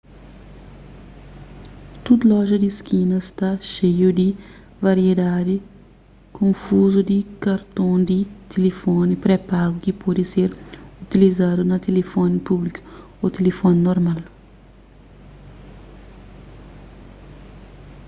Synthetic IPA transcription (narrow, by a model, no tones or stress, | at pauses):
t̪ud̪lɔʒɐd̪iskinɐst̪aʃejʊd̪i | vɐɾied̪ad̪i | kõfuzud̪ikaɾt̪õd̪it̪ʰelefɔnipɾepaɡʊkipɔd̪iseɾut̪ilizad̪unɐt̪elefɔnipublikʊ̥ | ot̪elefɔninoɾmal